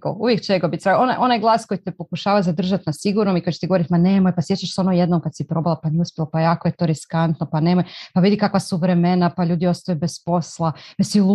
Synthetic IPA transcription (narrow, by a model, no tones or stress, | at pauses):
o̰uʋjekt͡ʃeɡobit̪ɾaɡonaʔo̞najɡlˠaːsko̞jit̪epo̞kuʃaːʋazad̪r̩ʒat̪nasiɡuɾnomikojt͡ɕet̪iɡooɾit̪imane̞mojpasje̞t͡ʃaʃsao̞noje̞d̪nomkad̪sipɾo̞balˠapanijɛuspʲjelopajaːkoje̞t̪oɾiskant̪nopane̞mojpaʋid̪ikakʋasuʋɾe̞me̞napaʎuːd̪io̞st̪ajubespo̞slˠapasil